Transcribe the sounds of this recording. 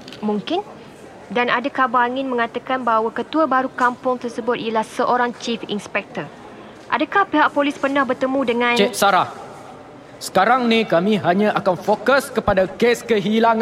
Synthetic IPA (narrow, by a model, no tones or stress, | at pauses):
muŋkɪn | danadakabaŋɪnmə̃ŋat̪akanbaɦwakət̪uabaɾukampʊŋt̪ərsəbʊt̪̚ijəlahsəʔoɾaŋt͡ʃifḭnspɛk̚t̪ər | ʔa̰dəkahpiɦaʔ̚polɪspərnãhbərt̪əmũdəŋãnɛʔ̚saɾah | sə̥kaɾaŋnikamĩɦaɲãʔakanfokəskəpadakeskəɦilaŋ